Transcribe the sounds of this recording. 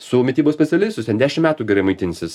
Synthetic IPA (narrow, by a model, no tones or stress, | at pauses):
ssʊmʲɪt̪ʲiːboːsʲpʲɛt̪sʲɛlʲɪst̪ʲʊt̪ʲɛnd̪ʲæːʃʲɪmmʲæːt̪uːɡʲɛɾɐɪmɐɪt̪ʲɪnʲsʲɪs